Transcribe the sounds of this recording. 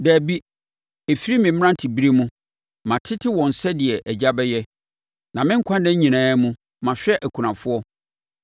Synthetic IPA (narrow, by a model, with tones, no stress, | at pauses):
dæː˨bi˦ | e˨fi˦ɾi˦mɪ̃˨m̩˦ã˦n˨tʰi˨bi˦ɾe˦mũ˦ | mã˨tʰɪ˦tʰɪ˦wɔ̃˨n̩˨sɛ˦dɪ˨ɛ˨ʔɛ˨d͡ʑa˦bɛ˦jɛ˦ | nã˨mɪ̃˦ŋ̩˦kʷʰã˦ndɛ̃˦ɲĩ˨nãː˦mũ˦ | mã˨ɕᶣɛ˦ʔæ˨kʰu˨nã˨fʊ˦ɔ˦